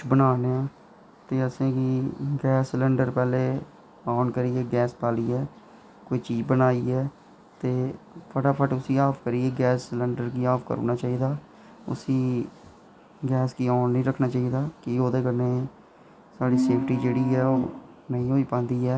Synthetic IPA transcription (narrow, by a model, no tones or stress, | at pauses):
bənaːneãː | t̪eːəsẽːkiːɡɛːsləɳɖəɾpɛːleː | aːnkəɾiːɛːɡɛːspaːliːɛː | koːiːt͡ʃiːd͡ʒbənaːiːɛː | t̪eːpʰəʈaːpʰəʈʊsiːaːpʰkəɾiːeːɡɛːsləɳɖəɾkiːaːpʰkə̰ɾo̰ːnaːt͡ʃaːiːd̪aː | ʊ̰siː | ɡɛːskiːaːnːĩːɾəkʰnaːt͡ʃaːiːd̪aːkiːoːd̪eːkəɾneː | saːɽiːseːpʰʈiːd͡ʒeːɽiːɛːoː | nəĩːɦoːiːpãːnd̪iːɛː